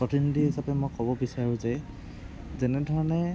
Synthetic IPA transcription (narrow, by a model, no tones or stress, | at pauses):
ɔtindiɦisapɛmojkɔbɔbisaɹʊ̃zɛ | zɛnɛdʱɔɹɔnɛ